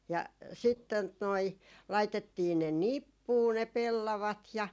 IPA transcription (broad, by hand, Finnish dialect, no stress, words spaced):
jɑ sit tot noi lɑitetːiː ne nipːuː ne pelːɑʋɑt jɑ